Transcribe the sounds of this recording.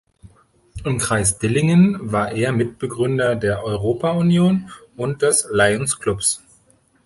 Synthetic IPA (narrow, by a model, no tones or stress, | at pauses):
ʔɪmkʁ̥aɪsd̥ɪlɪŋənvaːɐʔeːɐmɪt̚b̥əɡʁʏndɐdeːɐʔɔʏʁoːpʰaʊnjoːnʊntd̥ɛslaɪʊnskl̥ʊps